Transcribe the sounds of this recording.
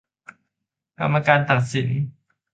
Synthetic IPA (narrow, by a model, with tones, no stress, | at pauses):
ka̰˧ma˧kaː˧nt̪a˨˩ŋsi˨˩˦n